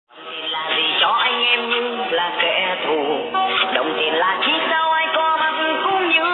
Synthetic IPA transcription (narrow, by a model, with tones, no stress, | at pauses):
t̪i˨˩ənlaː˨˩zi˨˩t͡ɕɔ˧˩ʔa˧jŋ̟ʔɛ˧mɲɨ˧laː˨˩kḛ˧˥t̪ʰu˨˩ɗə˨˩wŋ͡mt̪i˨˩ənlaː˨˩t͡ɕi˦˥t̚za˧wʔaː˧jkɔ˧maː˨˩t̪ɨ˧˩ŋkʊ˧˦ŋ͡mɲɨ̰˧˥